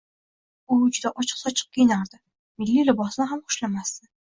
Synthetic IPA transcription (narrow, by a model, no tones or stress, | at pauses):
ʊd͡ʒʊd̪aʔɒt͡ʃʰɨ̥qsɒt͡ʃʰɨ̥q̚kʲʰejɪnaɾd̪ɪ | mɪlːilɪbɒsnɪɦamχʊ̥ʃlamast̪ɪ